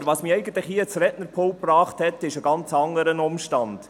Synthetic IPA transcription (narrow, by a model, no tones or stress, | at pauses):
ɾʋɑsmiɛɪɡən̩t̪ləχhiːət͡sɾɛtnəɾpʰolprɑːχthɛtɪʃəɡɑnt͡sɑŋəɾənʊmʃtɑnd̥